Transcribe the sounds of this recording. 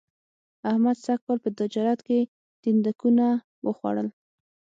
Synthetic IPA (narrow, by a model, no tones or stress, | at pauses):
ahmad̪sak̚kɑlpət̪ɪd͡ʒɑɾat̪ke | d̪̥ind̪akuna | wəxwa̰ɽəl